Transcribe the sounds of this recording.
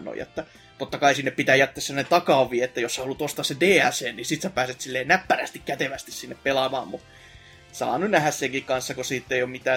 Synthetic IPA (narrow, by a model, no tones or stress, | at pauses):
no̰jḛt̪ːæ | t̪ot̪ːɑkɑisinːeppit̪æːjæt̪ːeːsænet̪t̪ɑkɑːʋˑiːet̪ːæjossæholːut̪ost̪ɑːssedeːæseːnnisit̪sæpæːset̪silːeːnæpːæræst̪ikkæt̪eʋæst̪issinːeppelɑmɑ̰ːmmu | sɑ̰ːnynæhæsseŋkikkɑnsːɑkosiːt̪ːeijommit̪æː